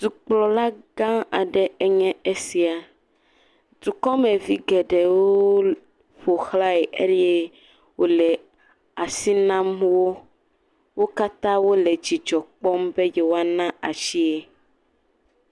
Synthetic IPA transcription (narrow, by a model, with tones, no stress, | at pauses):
d̪̥u˨k͡plɔ˨la˦ɡã˦a˨ɖɛ˦ɛ˦ɲɛ̃˦e˦si˨a˨ | d̪u˨kɔ˦mɛ̃˨vi˦ɡɛ˨ɖɛ˨woo˦ | ɸo˨xla˦e˨ʔe˦e˦ | wo˦lɛ˨ | a˨si˦nã˦mwo˦ | wo˦ka˦t̪ã˦wo˦lɛ˨d͡ʒi˨d͡ʒɔ˨k͡pɔ˦mbe˦jɛ˨wo˦a˦nã˦a˨ʃi˦e˦